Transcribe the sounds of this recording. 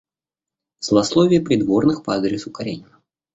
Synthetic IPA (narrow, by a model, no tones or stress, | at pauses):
z̥lˠɐslˠovʲɪjəpɾʲɪd̪vo̞rnɨxpɐad̪ɾʲɪsʊkɐɾʲenʲɪnə